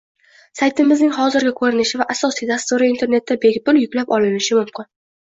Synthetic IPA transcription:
sajt̪ʰɪmɪznɪŋhɒzɪɾɡʲakʰɵɾɪnɪʃɪvaʔasɒsijd̪ast̪uɾɪint̪ʰe̞ɾne̞t̪ːabe̞kʲpʊljʊkʲlapɒlɪnɪʃɪmʊmkʲɪn

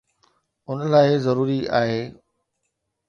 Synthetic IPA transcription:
ʊnlaːɪzɐɾuːɾia̰ːɦeː

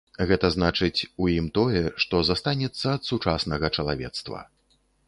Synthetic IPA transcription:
ɣɛt̪ɐznat͡ʂɨt͡sʲujimt̪ɔjɛʂt̪ɔzast̪anʲɛt̪sːɐːt̪sut͡ʂasnɐɣɐt͡ʂɐlˠa̰vʲɛ̰t̪st̪vɐ̰

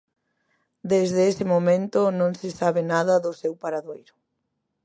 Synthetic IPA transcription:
d̪ezðesɪmomẽnt̪ʊnõŋsɪsaβ̞ɪnaðɐðʊsewpaɾaðojɾʊ

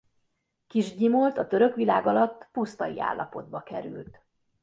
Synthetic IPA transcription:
kiʒɟimolt̪ɒt̪ø̞ɾø̞kʋilaːɡɒlɒt̪ːpust̪ɒjḭa̰ːlːɒpo̞d̪̚bɒkɛɾy̰lt̪

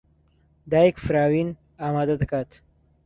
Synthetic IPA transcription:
d̪aːikfɾaːwin | aːmaːd̪ad̪ɐkat̪

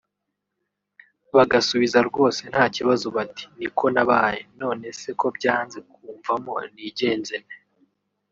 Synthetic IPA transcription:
βaɡasuβizaɾɡo̞ːse̞n̥haːciβazoβati̥nikʰo̞naβaːjḛno̞ːne̞se̞ko̞bɟaːnze̞k̚uːɱvamo̞̰niɟe̞ːnzene

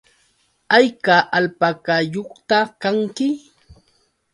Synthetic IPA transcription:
ajkaʔalpakajoχt̪akaŋkɪ

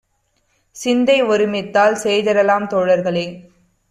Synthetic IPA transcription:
sɪnd̪ɐɪʋɔɾɯmɪt̪ːaːlseːðɐɾɐlaːmt̪oːɽɐɾɣɐɭɐɪ

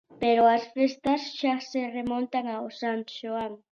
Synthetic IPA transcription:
peɾoasfest̪asʃaseremõnt̪aŋaosant̪ʃoaŋ

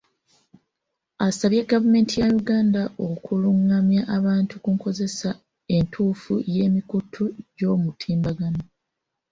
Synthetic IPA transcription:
asaβjeɡavume̞ːntijajuɡaːndaʔo̞kʰuluŋːamjaʔaβaːntukuŋko̞ze̞sa | e̞ntʰuːfuje̞ːmikutʰuɟo̞ːmutʰiːmbaɡano

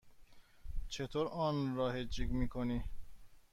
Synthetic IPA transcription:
t͡ʃʰet̪ʰoɾɒːnɾɒːhed͡ʒiɡmiːkʰoni

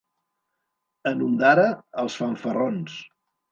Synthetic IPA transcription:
ənund̪aɾəəlˠsfaɱfərons

